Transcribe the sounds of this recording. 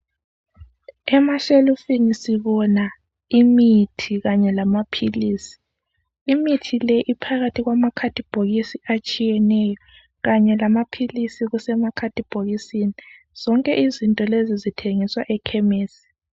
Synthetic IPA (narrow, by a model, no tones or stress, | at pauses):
ɛmaʃelufinisiβɔna | imitʰiɣaɲɛlamapʰiliːsi̥ː | mitʰilɛʔipʰaɣatʰiɣwamakʰatʰʼib̥ʱoɣisiat͡ʃʼijɛnɛːjɔ | ɣaɲɛlamapʰilisiɣusɛmakʰatʼib̥ʱoɣisini | z̥ɔŋkʼɛʔizintʼɔlezizitʰeŋiswaʔɛkʰɛmeːsi̥